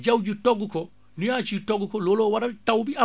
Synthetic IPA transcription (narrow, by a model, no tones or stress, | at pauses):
d͡ʒawd͡ʒitɔɡukʰɔ | nijaːt͡ʃitɔɡukɔloloːwaɾɐtawbia